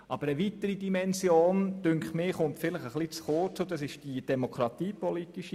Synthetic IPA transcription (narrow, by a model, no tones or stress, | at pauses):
ʔɑb̥əɾəʋit̪əɾidimɛnzjoːnd̥ʏŋkχmɪːχʊntfɪləχəχlit͡sχot͡sod̥̪ɑsɪʃd̥id̥ɛmokɾɑt̪iːpɔlitiʃi